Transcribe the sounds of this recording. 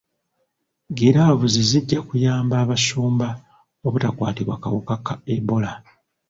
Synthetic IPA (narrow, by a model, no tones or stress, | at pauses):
ɡeɾaβuziziɟːakujaːmbaːβasuːmba | oβutakwa̰ːtiβwa̰ka̰wokakaeβo̞la